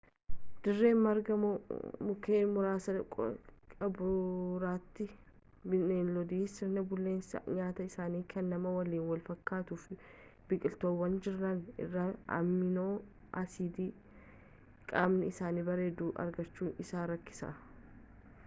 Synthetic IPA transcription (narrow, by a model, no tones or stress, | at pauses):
d̪̥ɪrːe̞ːmmɐɾɡɐmʊkeːmʊɾaːsɐkʼɐbɾʊɾaːt̪ːɪ | bɪneːnlɔd̪iːsɪɾnɐbʊlːe̞ːnsɐ̰ɲaːt̪ɐɪsaːniːkʰɐnːɐmɐwɐliːnwɐlfɐkːaːt̪ʊfb̥ɪkʼɪlt̪oːwːɐnd͡ʒɪɾːɐnɪ̰rːɐɐ̰mːɪnoː | ʔɐsiːd̪iː | kʼaːmnɪɪsaːnibɐɾeːd̪uːʔɐ̰ɾɡɐt͡ʃːuːnʔɪsaːɾɐkːɪ̥sɐ̰